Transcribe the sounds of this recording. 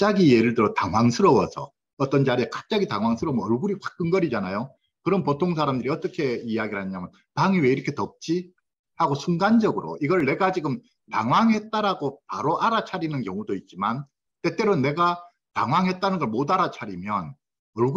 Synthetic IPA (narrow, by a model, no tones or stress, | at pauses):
t͡ɕ͈aɡije̞ɾɯɭdɯɾotaŋwaŋsʰɯɾʌwʌsʰʌ̰ | ʌt͈ʌnd͡ʑaɾiekḁp̚t͡ɕ͈aɡitaŋwaŋsʰɯɾʌmʌɭɡuɾikwak͈ɯnɡʌɾid͡ʑanajo | kɯɾʌnpotʰoŋs̬ʰaɾamdɯɾiʌt͈ʌkʰe̞ijaɡiɭhaɲɲamjʌn | taŋiweiɾʌkʰetʌp̚t͡ɕ͈i | haɡosʰuŋɡand͡ʑʌɡɯɾo̰iɡʌɭne̞ɡat͡ɕiɡɯm | taŋwaŋɦe̞t̚t͈aɾaɡopaɾoʔaɾat͡ɕʰaɾinɯnkjʌŋudoit̚t͡ɕ͈iman | t͈e̞t͈e̞ɾonːe̞ɡa | ta̰ŋwaŋɦe̞t̚t͈anɯnɡʌɭmodaɾat͡ɕʰaɾimjʌn | ʌɭɡu